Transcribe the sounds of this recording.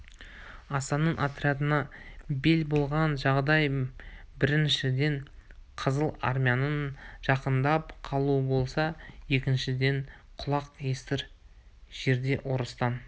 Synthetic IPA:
ɑsɑnəɴʔat̪ɾʲiat̪ənɑbe̞lbo̞lˠʁɑnʒɑʁd̪ɑjbɪɾɪnʃɪd̪e̞ɴqʰəzəlˠa̰ɾmʲijanənʒ̥ɑqənd̪ɑpqʰɑlˠuəbo̞lˠsɑje̞kʲɪnʃɪd̪e̞ɴ | qʰʊlˠɑqest̪ɪɾ | ʒ̥e̞ɾd̪e̞ʔo̞ɾəst̪ɑn

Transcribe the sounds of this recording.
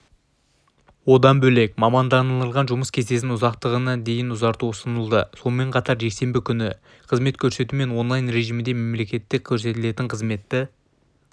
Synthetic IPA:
wo̞d̪ɑnbɵle̞kmɑmɑnd̪ɑnəlˠəlˠʁɑnʒʊməskʲʰe̞ze̞sɪnʊzɑqt̪əʁənɑd̪e̞jɪnʊzɑɾt̪uʊsənəlˠd̪əso̞lˠme̞ɴqʰɑt̪ɑɾʒe̞kse̞mbɪkʲʰʏnɪ | qʰəzme̞t̪kʲʰɵɾse̞t̪ume̞nwo̞nlˠɑjnɾe̞ʒijmɪd̪eme̞mle̞kʲe̞t̪ːɪk̚ʲʰːɵɾse̞t̪ɪle̞t̪ɪɴqʰəzme̞t̪ːɪ

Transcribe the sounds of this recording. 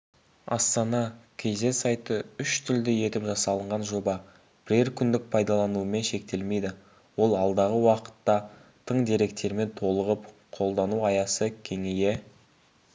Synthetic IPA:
ɑ̰st̪ɑnɑkʲʰe̞ze̞sɑjt̪əʏʃt̪ʰʏld̪ɪje̞t̪ɪpʒɑsɑlˠəɴʁɑnʒo̞bɑ | b̥ɪɾe̞ɾkʲʰʏnd̪ɪk̚pʰɑjd̪ɑlˠɑnuəme̞nʃe̞k̚t̪e̞lme̞jd̪ɪ | wo̞lˠɑlˠd̪ɑʁəwɑqə̥t̪ːɑt̪ʰəɴd̪eɾe̞k̚t̪e̞ɾme̞nt̪ʰo̞lˠəʁəpqʰo̞lˠd̪ɑnuɑjɑsəkʲʰe̞ŋeje̞

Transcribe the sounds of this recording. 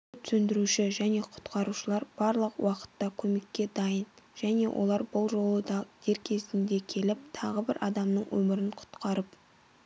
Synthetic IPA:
t̪ʰʏ̥sɵnd̪ɪɾuʃɪʒæne̞qʰʊ̥t̪qɑɾuʃəlˠɑɾb̥ɑɾlˠəqwɑqə̥t̪ːɑkʲʰɵme̞kʲːe̞d̪ɑjənʒ̥æne̞̰wʔo̞̰lˠɑɾbʊlˠʒo̞lˠəd̪d̪̥eɾkʲʰe̞zɪnd̪e̞kʲʰe̞lɪp̚t̪ʰɑʁəbɪɾʔɑd̪ɑmnəɴwɵ̰mɪɾɪɴqʰʊ̥t̪qɑɾəp

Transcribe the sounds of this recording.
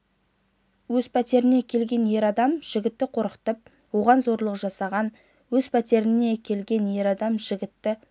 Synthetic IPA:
wɵzpʰæt̪e̞ɾɪne̞kʲʰe̞lɡʲe̞nje̞ɾɑd̪ɑmʒ̥ɪɡʲɪt̪ːɪqʰo̞ɾqə̥t̪əp̚ | woʁɑnzo̞ɾlˠəqʒɑsɑʁɑn | wɵzpʰæt̪e̞ɾɪne̞kʲʰe̞lɡʲe̞nje̞ɾɑd̪ɑmʒɪɡʲɪt̪ːɪ

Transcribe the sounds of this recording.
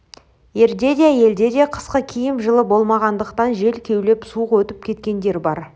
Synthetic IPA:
je̞ɾd̪e̞d̪ʲijæje̞ld̪e̞d̪e̞qʰə̥sqəkʲʰijɪmʒəlˠəbo̞lˠmɑʁɑnd̪əqt̪ɑnʒe̞lkʲʰe̞wle̞psuəqwɵt̪ɪp̚kʲʰe̞t̪kʲe̞nd̪e̞ɾbɑɾ

